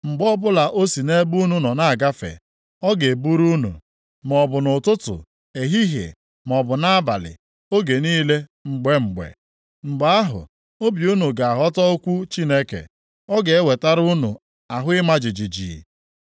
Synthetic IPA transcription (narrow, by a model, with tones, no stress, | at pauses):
ŋ͡m̩˨ɡ͡bɔ˦bʊ˦la˨ʔo˦si˨ne˦bu˦nu˨nɔ˨na˦a˨ɡa˦fḛ˨ | ɔ˦ɡe˨e˨bu˦ɾu˦nṵ˨ | m˨ɔ˨bʊ˨nʊ˨tʊ˦tʊ̰˨ | e˨ɦi˦ɦjḛ˨ | m˨ɔ˨bʊ˨na˦a˦ba̰˨lɪ̰˨ | o˦ɡe˨niː˦le˦ŋ͡m̩˨ɡ͡be˦ŋ͡m̩˨ɡ͡bḛ˨ | ŋ͡m̩˨ɡ͡ba˦a˦ɦʊ̰˨ | o˦bju˦nu˨ɡa˨a˨ɦɔ˦tɔ˦o˦kʷu˦t͡ʃi˦ne˦kḛ˨ | ɔ˦ɡe˨e˦we˨ta˦ɾu˦nu˨ | a˨ɦʊ˦ɪ˦ma˦d͡ʒi˨d͡ʒi˨d͡ʒḭ˨